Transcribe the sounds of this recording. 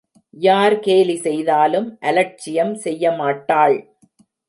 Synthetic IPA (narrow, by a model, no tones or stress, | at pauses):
jaːɾkeːlisɛjðaːlɯmʔɐlɐʈ̚t͡ʃɪjɐmsɛjːɐmaːʈːaːɭ